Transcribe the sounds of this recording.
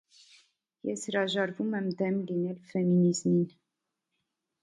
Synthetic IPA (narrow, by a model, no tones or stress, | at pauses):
jɛshɾɑʒɑɾvumɛmd̪ɛmlinɛlfɛminizmin